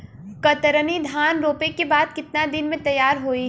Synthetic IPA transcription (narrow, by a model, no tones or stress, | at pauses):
kɐt̪əɾənid̪ʱaːnɾoːpekebaːd̪̚kɪt̪nad̪ɪnmẽt̪ɐjːaːɾɦoːi